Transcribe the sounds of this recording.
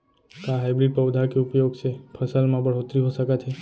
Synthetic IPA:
kãɦajbɾiʈ̚pəwd̪ʱakiupjoɡt͡ʃʰepʰəsalmãbəɽ̤ot̪ɾiɦoʃəkat͡ʃʰe

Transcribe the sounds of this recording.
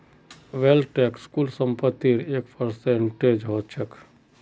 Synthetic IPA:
ʋelʈekskulsəmpət̪ːiɾeːkpʰəɾseɳʈed͡ʒɦoːtt͡ʃʰək

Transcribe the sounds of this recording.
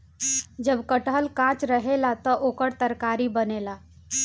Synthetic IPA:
d͡ʒəbkəʈɦəlkãːt͡ʃɾəɦelat̪ɔʔoːkəɽt̪əɾkaːɾibəneːlaː

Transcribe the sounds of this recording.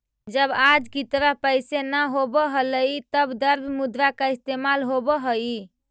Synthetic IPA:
d͡ʒəbad͡ʒkit̪ɾapəjsenaɦobəɦələit̪əbd̪əɾbmud̪ɾakaist̪emalɦobəɦəi

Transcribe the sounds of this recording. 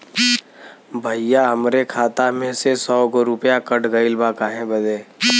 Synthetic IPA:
bʱəɪjaəmɾekʰaːt̪amẽsesɔːɡoɾʊpjakəʈɡəilbakaɦẽbəd̪eː

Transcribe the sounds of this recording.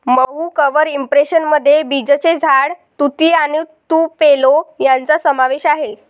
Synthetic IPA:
məɦukəʋəɾimpɾeɕənməd̪ʱːjebid͡zət͡sed͡zʱaɽt̪ut̪iːañit̪uːpelojant͡sasəmaʋeɕaɦe

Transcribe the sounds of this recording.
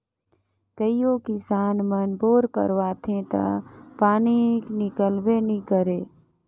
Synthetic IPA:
kəijõːkɪsaːnmənboːɾkə̰ɾʋaːt̪ʰẽt̪a̰paːniknɪkəlwenĩkəɾeː

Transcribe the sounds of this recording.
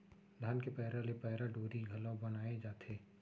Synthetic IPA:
d̪ʱaːnkepɛɦɾalepɛɦɾaɖoːɾiɡʱɐlabɐnaːed͡ʒaːt̪ʰeː

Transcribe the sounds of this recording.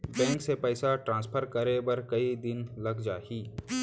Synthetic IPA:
bɛ̃ːŋksepɛːsaʈɾãːnspʰəɾkɐɾebɐɾkɐid̪ɪnlɐɡd͡ʒaːiː

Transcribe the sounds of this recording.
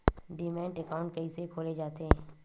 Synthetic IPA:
ɖimɛ̃ːɳʈekaːʊ̃ɳʈ̚kɐɦisekʰoːled͡ʒaːt̪eɦɛ̃ː

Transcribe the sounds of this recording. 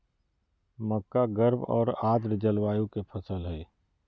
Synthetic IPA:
məkːaɡəɾbɔ̰ːɾaːd̪ɾd͡ʒəlwaːjõkepʰəsəlɦɛː

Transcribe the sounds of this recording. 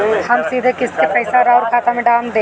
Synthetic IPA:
hɐmsiːd̪ʱekɪskepɛːɪsaɾaʊɾkʰaːt̪amẽɖaːmd̪eː

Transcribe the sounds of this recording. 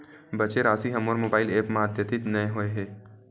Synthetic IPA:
bɐt͡ʃeɾaːsiɦɐmoːɾmoːbaːɪleːpmaːd̪ʱjət̪ɪt̪nɐẽɦoeɦɛː

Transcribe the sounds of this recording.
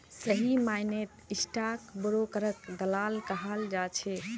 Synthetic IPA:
səɦimajnet̪isʈakbəɾokəɾəkd̪əlalkəɦəld͡ʒat͡ʃʰɛ

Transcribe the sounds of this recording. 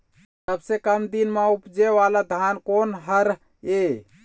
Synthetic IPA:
t̪əbsekəmd̪inmeupd͡ʒeʋalad̪ʱankonɦəɾ | e

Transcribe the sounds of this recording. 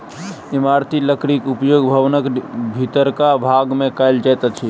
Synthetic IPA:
imaɾt̪iləkɾikupjoɡbʱəʋnəkbʱit̪əɾkabʱaɡmẽkaɪld͡ʒajt̪ət͡ʃʰi

